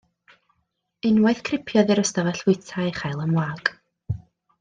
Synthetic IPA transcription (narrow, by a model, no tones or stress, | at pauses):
ɪnwajθkʰrɪpʰjɔðɪɾəstavɛɬwʊɨtʰaɨχajlˠəmwaːɡ̥